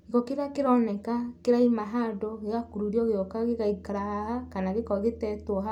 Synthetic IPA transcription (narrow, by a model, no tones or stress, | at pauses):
iɣɔkeɾakeɾɔnɛkakeɾaimaɦadɔɣeakuɾuɾjɔɣeɔkaɣeɣaikaɾahahakanaɣekɔɣetɛtwɔɦa